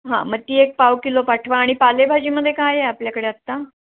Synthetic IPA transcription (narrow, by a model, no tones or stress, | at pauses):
ɦã̰məɡ̚t̪iːek̚pawkilopaʈʰʋaːɽ̃ipalebʱad͡ʑiːməd̪ʱːjekajeapljakəɽeat̪ːa